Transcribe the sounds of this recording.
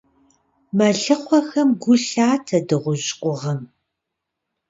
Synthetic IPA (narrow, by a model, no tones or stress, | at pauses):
mɐɮɨqʷɔxɐmɡʷʊɬaːtʰɐdɨʁʷʊʑʼqʷʊʁɐm